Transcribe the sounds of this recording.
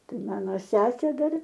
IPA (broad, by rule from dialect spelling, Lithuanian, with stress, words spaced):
ˈtɐɪ ˈmɑːnoː ˈsʲæːsʲeː ˈdɐr